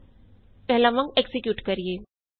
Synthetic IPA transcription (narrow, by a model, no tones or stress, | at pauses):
kɛɦlamə̃ŋɡeksɪkjuːʈkɐɾijeː